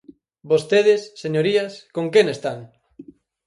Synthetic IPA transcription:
bost̪eðesːeɲoɾiaskoŋkenest̪aŋ

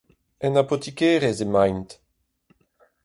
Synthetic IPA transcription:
ɛnapot̪ikɛːʁezemajnt̪

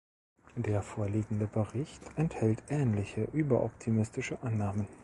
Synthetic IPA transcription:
d̥eːɐfoːɐliːɡŋ̩dəbəʁɪçtʔɛnthɛltʔɛːnlɪçəʔyːbɐʔɔptʰimɪstɪʃəʔanːaːmən

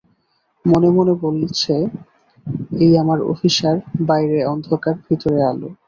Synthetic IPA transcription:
monemonebolt͡ɕʰe | ejamaɾo̰fiʃaɾbajɾeɔnd̪ʱokaɾbʱit̪oɾealo̰

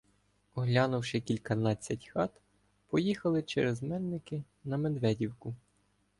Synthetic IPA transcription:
ɔɦlʲɑnʊwʃɪkʲilʲkɐnɑt͡sʲːɐtʲxɑt̪ | pɔjixɐlˠɪt͡ʃɛɾɛzmɛnnɪkɪ | nɐmed̪ʋɛdʲiwkʊ

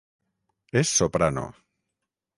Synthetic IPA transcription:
esːopɾano̰

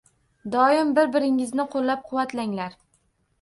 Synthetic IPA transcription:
d̪ɒɪmbɪɾbɪɾɪŋɪznɪqʰolːap̚qʰʊwːat̪ʰlaŋlaɾ

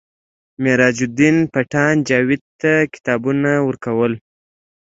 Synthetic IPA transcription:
meɾɑd͡ʒud̪inpaʈɑnd͡ʒɑwɪd̪̚t̪akɪ̥t̪ɑbunawəɾkawəl

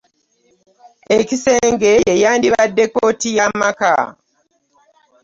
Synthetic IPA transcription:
ecise̞ːŋɡe̞jejaːndiβadːe̞kotijamaka̰

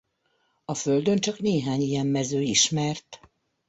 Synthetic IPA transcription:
ɒfø̞ld̪ø̞nt͡ʃɒkneːɦaːɲijɛmːɛzøːiʃmɛrt̪

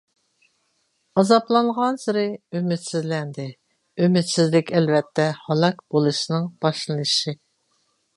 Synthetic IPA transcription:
ɑzɑplˠɑŋʁɑnsɨɾɪymɪt̪sɪzlɛnd̪ɪ | ymɪt̪sɪzlɪkʲɛlvɛt̪ʰːɛhɑlˠɑkb̥olˠɨʃinɨŋb̥ɑʃlˠɨnɨʃi

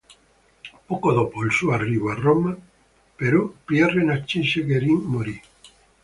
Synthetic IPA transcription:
pokoðopolsuariβaroma | peɾopjarenat͡ʃinʃeɣeɾiŋmoɾi

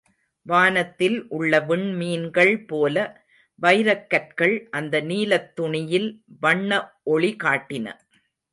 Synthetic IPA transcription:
ʋaːnɐt̪ːɪlʔʊɭːɐʋɪɳmiːnɡɐɭpoːlɐ | ʋɐɪɾɐkːɐʈ̚kɐɭʔɐnd̪ɐniːlɐt̪ːʊɳɪjɪlʋɐɳːɐʔɔɭɪkaːʈːɪnɐ̰

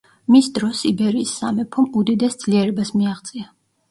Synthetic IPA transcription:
misd̪ɾɔsibɛɾiːsːamɛpʰɔmud̪id̪ɛsd̪z̥liɛɾɛbasmiaʁt̪sʼia

